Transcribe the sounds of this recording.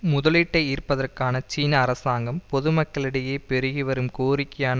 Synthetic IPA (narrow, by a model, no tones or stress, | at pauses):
mʊðɐlɪʈːɐɪiːrpɐðɐrkaːnɐt͡ʃiːnɐːɾɐsaːŋɡɐmpɔðɯmɐkːɐɭɪɽɐjeːpɛɾɯɣɪʋɐɾɯmkoːɾɪkːɐjaːn